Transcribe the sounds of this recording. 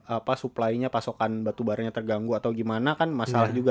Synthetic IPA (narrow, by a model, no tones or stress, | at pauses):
apasuplaiɲapasokanbat̪ubaɾaɲat̪ərɡaŋɡuat̪awɡimanakanmasalahd͡ʒuɡa